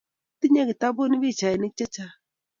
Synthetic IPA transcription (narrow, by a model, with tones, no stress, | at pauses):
ti˦ɲa˦ki˨ta˦bo˦ni˦bi˦˨t͡ʃa˨i˨ni˦k̚t͡ʃa˦t͡ʃa˦